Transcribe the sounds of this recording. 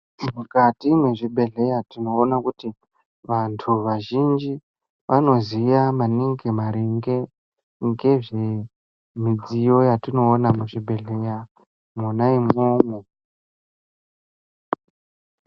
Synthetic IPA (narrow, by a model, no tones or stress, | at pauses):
mukatimweʐibʱe̞ɮe̞jatino̞ːnakuti | ʋantʰuʋaʒind͡ʒi | ʋano̞zijamaniŋɡe̞maɾiŋɡe̞ | ŋɡe̞ʐe | mid͡zijo̞jatino̞ːnamuʐibʱe̞ɮe̞ja | munaimomu